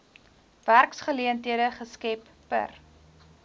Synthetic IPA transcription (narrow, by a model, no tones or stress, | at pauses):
værksχəliəntɦiədəχəskɛpːə̰r